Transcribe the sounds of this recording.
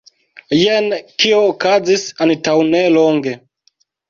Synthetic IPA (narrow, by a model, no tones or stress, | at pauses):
jenkioːkazisantawneloŋɡe